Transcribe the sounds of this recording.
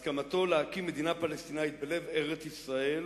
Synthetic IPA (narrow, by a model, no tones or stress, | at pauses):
skamat̪o̞leakimːe̞d̪inapalest̪inajit̪̚bele̞veʁet͡sisʁae̞l